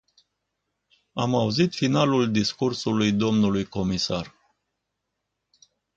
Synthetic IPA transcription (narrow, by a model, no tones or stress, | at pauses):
amauzit̪fin̪aluld̪iskursulujd̪o̞mnulujko̞misar